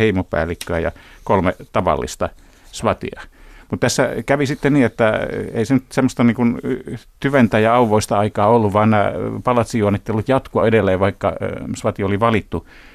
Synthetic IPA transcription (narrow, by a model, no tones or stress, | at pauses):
eimopæ̰ːlːˑikːøæjɑ̰kolmet̪ɑʋɑ̰lːḭst̪ɑ | sʋɑt̪ḭɑmut̪t̪æsːæ̰kæʋisit̪ːenniːet̪ːæḛisenyt̪semːost̪ɑniːŋkunt̪yʋent̪æjɑɑuʋoist̪ɑɑikɑːolːuʋʋɑːˑnnæ̰pɑlɑt̪sijuɑnːˑit̪ːeolːut̪jɑt̪kuɑ̰edelːeːʋɑikːɑ̰sʋɑt̪ioliʋɑlit̪ːu